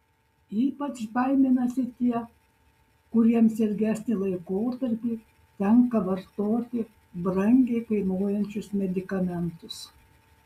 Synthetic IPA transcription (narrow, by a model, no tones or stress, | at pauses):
iːpɐt͡ʃbɐɪmʲenɐsʲɪt̪ʲiɛ | kʊɾʲiɛmsʲɛɾʲɡʲæːsʲnʲɪlˠɐɪkoːt̪ɐɾʲpʲiː | t̪ʲɛŋkɐʋɐɾt̪oːt̪ʲɪ | bɾɐŋʲɡʲɛɪkɐɪnoːjɛnʲt͡ʃʲʊsmʲɛd̪ʲɪkɐmʲɛnt̪ʊs